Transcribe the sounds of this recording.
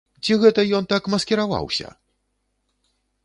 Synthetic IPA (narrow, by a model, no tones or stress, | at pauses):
t͡sʲiɣɛt̪ɐjɔnt̪akmɐskʲɛɾava̰wsʲɐ̰